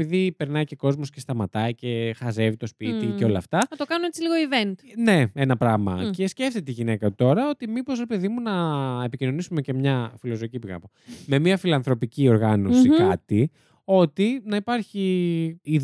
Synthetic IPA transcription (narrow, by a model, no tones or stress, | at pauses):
piðipe̞ɾnɐice̞ko̞zmo̞scest̪ɐmɐt̪ɐice̞xɐze̞vit̪o̞spit̪ieo̞lɐft̪ɐɐt̪okɐnuet͡siliɣoivent̪ne̞e̞nɐpɾɐɣmɐ̰ce̞sceft̪et̪eiʝine̞kɐt̪ut̪o̞ɾɐo̞t̪imipo̞zɾepeðimunɐepicino̞nisume̞ce̞mɲɐfilo̞zoicipiɣɐ̰pome̞miɐfilɐnθɾo̞picio̞ɾɣɐno̞sikɐt̪i | o̞t̪inɐipɐɾçiið